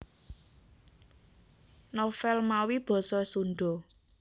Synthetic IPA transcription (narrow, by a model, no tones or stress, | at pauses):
nɔfɛlmawib̥ɔ̤sɔsunɖɔ